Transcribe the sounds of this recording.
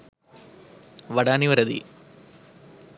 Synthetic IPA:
ʋɐɽaːniʋɐɾɐðḭ

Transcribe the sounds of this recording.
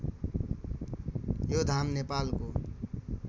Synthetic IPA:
jod̪ʱaːmnepaːlko

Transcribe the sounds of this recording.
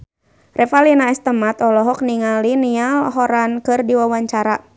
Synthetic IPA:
rʔɛfalinaɛst̪əmat̪ɔlɔɦɔk̚niŋalinialɦɔɾankɨrdiwawaɲt͡ʃaɾa

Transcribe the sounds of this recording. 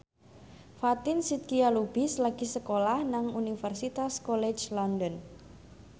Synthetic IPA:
fat̪ɪnsit̪̚kialub̥islaɡ̥i̤səkolahnaŋunifɛrsit̪askɔlɛd͡ʒlɔnd̪ən

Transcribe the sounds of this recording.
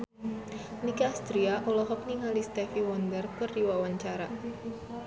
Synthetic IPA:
nikast̪ɾiaʔɔlɔɦɔpniŋalist̪ɛfiwɔnd̪ərpərːiwawaɲt͡ʃaɾa

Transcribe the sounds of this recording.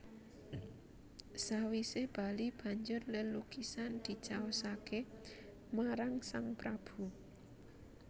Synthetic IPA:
sawiseb̥a̤lib̥a̤ɲd͡ʒʊrlənlukisand̪̥i̤t͡ʃaosake | maɾaŋsaŋpɾab̥ṳ

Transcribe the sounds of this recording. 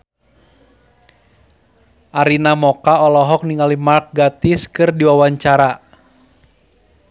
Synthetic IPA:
ʔaɾinamɔkaɔlɔɦɔk̚niŋalimark̚ɡat̪iskɨrdiwawaɲt͡ʃaɾa

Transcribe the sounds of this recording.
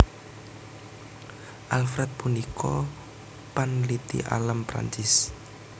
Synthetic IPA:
ʔalfɾɛt̪̚punikʰɔ | panlit̪ḭʔa̰lampɾa̰ɲt͡ʃɪs

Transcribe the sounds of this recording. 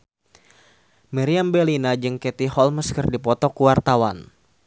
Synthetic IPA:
miɾiambɛlinad͡ʒɨŋkɛt̪ihɔlməskərdipɔt̪ɔkuwart̪awan

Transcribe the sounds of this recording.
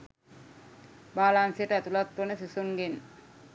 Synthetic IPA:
baːlansijəʈəæt̪ulat̪ːʋənəsisuŋɡen

